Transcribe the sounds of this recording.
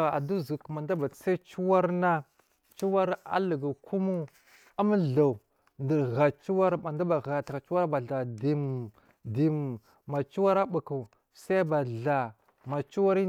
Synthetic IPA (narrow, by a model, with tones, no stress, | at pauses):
a̰˨du˦zu˨kma˨nda˦ba˨sa˦t͡ʃu˦wa˦ɾna˦ | t͡ʃu˦wa˦ɾa̰˦lu˨ɡa˨kʰu˦mu˦ | a˦m˦ɮa˨u˨ | ndə˨ɣa˨t͡ʃu˦wa˦ɾma˨nda˦ba˨ɣa˨ta˨ka˨t͡ʃu˦wa˦ɾba˨ɮa˨di˨m | di˨m˨ | ma˨t͡ʃu˦wa˦ɾa˦ɓu˨ku˨ | sa˦ba˨ɮa˨ | ma˨t͡ʃu˦wa˦ɾi˦